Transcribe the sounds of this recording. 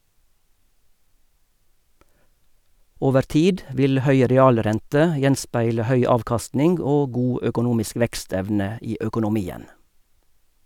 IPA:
ˈoːʋəɾ ˈtiːd ˈʋɪl ˈhœʏ ɾɛˈɑːlˌɾɛntə ˈjɛnˌspæɪlə ˈhœʏ ˈɑːʋkɑstnɪŋɡ ˈoː ˈɡuː ʔœkʊˈnuːmɪsk ˈʋɛkˌstɛʋnə ˈiː œkʊnʊˈmiːən

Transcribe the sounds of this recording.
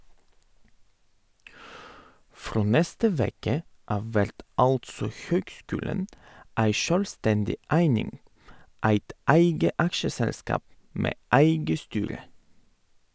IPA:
ˈfɾoː ˈnɛstə ˈʋeːkə ˈɑʋ ˈʋæɾt ˈɑltsɔ ˈçøːɡˌskʉːlən ˈæɪ ˈʃœlˌstɛndɪ ˈæɪnɪŋ ˈæɪt ˈæɪɡə ˈɑkʃəˌsɛlˌskɑːp ˈmeː ˈæɪɡə ˈstyːɾə

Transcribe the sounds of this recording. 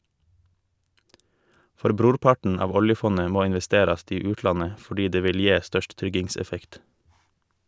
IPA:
ˈfɔɾ ˈbɾuːɾˌpɑɳ̩ ˈɑːʋ ˈɔljəˌfɔnə ˈmoː ɪnʋɛˈsteːɾɑst ˈiː ˈʉːtˌlɑnə fɔˈɖiː ˈdeː ˈʋɪl ˈjeː ˈstœʃt ˈtɾʏɡɪŋˌsɛfɛkt

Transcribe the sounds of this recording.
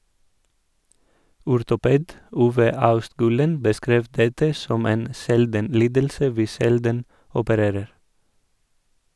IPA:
ʊɾtʊˈpeːd ˈuːʋə ˈɑʉstˌɡʉːlən bəˈskɾeːʋ ˈdɛtə ˈsɔm ˈeːn ˈsɛldən ˈliːdəlsə ˈʋiː ˈʃɛldən ɔpəˈɾeːɾəɾ

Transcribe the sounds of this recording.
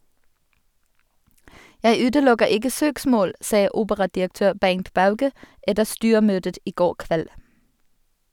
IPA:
ˈjæɪ ˈʉːdəˌlʊɡəʁ ˈɪɡə ˈsøːkˌsmoːl ˈsɑː ˈuːbəʁɑdɪəkˌtøːʁ ˈbæŋt ˈbɑʉɡə ˈɛdəʁ ˈstyːəˌmøːdət ˈiː ˈɡoːʁ ˈkʋɛl

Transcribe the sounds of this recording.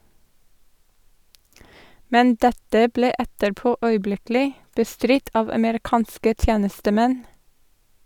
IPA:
ˈmɛn ˈdɛtə ˈbleː ˈɛtəɾˌpoː ˈœʏˌblɪklɪ bəˈstɾɪt ˈɑːʋ ɑməɾɪˈkɑːnskə ˈtjeːnəstəˌmɛn

